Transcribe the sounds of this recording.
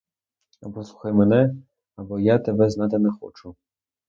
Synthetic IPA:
ɐbɔsˠuxajmɛnɛ | ɐbɔjat̪ɛbɛznat̪ɛnɛxɔ̰t͡ʂu

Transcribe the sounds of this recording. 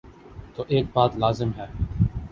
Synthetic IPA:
t̪oːʔeːk̚baːt̪laːzɪmɦɛː

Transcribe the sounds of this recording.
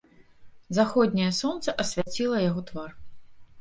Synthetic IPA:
zaxɔd̪ʲnʲɐjɐsɔnt̪sɐʔɐsʲvʲat͡sʲilˠɐjaɣɔt̪var

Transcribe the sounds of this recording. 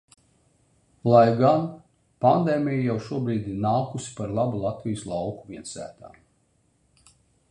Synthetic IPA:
lˠajɡan | pand̪eːmʲijijawʃuɔbɾiːd̪iɾnaːkusi̥paɾlˠabulˠat̪vʲijuslˠɑwkuviɛnsæ̰ːt̪a̰ː

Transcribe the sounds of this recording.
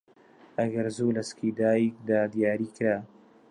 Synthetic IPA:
aɡaɾzulaskid̪ɑːjik̚d̪aːd̪jɑːɾikɾa

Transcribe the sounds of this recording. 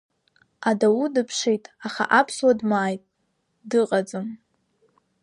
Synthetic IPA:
adawudɨpʰʂijtʼaχa̰ʔapʰswadmaːjtʼ | dɨqʼad͡zɨm

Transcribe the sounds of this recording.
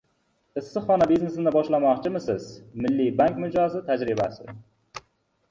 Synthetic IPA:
ɪsːɨχɒnabizne̞sɪd̪ɪbɒʃlamɒqt͡ʃʰɪmɪsɪz̥mɪlːibaŋkʲmʊd͡ʒɒzɪt̪ʰad͡ʒɾɪba̰sɪ̰

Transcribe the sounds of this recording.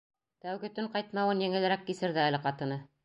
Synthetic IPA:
t̪æwɡɘ̆t̪ɵɴqɑjt̪mɑwɤnjɘ̆ŋɘ̆lɘ̆ɾækːisɘ̆ɾðæælɘqɑt̪ɤ̆nɤ

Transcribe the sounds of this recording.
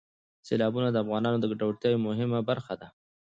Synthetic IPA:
selɑbunad̪əafɣɑnɑnod̪əɡaʈawɽt̪jɑjomʊɦɪmabaɾxad̪a

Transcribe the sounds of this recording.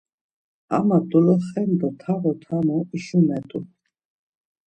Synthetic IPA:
a̰mat̪ʼulɔχɛnd̪ɔt̪ʰaɣɔt̪ʰamɔiʃumɛt̪ʼṵ

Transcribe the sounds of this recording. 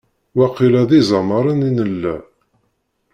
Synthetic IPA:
wæqːilæðizˤɑməɾˤəninəlːæ

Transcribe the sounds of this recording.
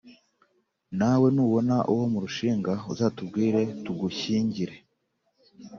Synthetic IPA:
nawe̞nuːβo̞naʔuwo̞muɾuʃiːŋɡauzaːtub̚ɡiːɾe̞tuɡuçiːɲɟiɾe̞

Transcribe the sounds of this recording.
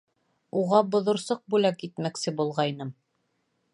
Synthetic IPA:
uʁɑbŏðŏɾsɤq̚bʉlækit̪mæksɘbulˠʁɑjnɤm

